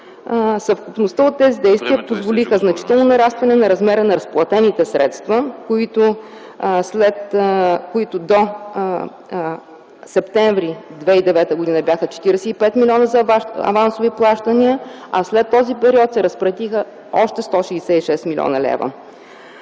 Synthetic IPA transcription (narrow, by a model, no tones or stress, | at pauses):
sɐfkupnost̪əot̪ːɛzid̪ɛjst̪viəpozvolixəznɐt͡ʃi̥t̪ɛlˠnonɐɾast̪vɐnɛnɐɾɐzmɛɾənɐɾɐsplˠɐt̪ɛnit̪ɛsɾɛ̰t̪st̪vəkoit̪o | slɛt̪koit̪ʊd̪o | sɛpt̪ɛɱvɾid̪vɛid̪ɛvɛt̪əɡod̪inəbjaxət͡ʃɛ̥t̪iɾɛsɛipɛt̪milʲiɔnəzɐɐ̰vansoviplˠaʃt̪əniəɐslɛt̪ːɔzipɛɾiɔt̪sɛɾɐspɾɐt̪ixə | ɔʃt̪ɛst̪ɔʃiːsɛiʃɛsmilʲɔ̰nɐlɛ̰və̰